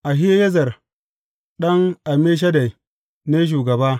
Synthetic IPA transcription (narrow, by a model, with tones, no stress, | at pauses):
ʔa˨ɦɪ˦ja˦jɐ˦zɐ˨r | ɗɐ˦ŋʔa˨me˦ʃ̬ɐ˦da˨j | neː˦ʃ̬uː˨ɡɐ˨baː˦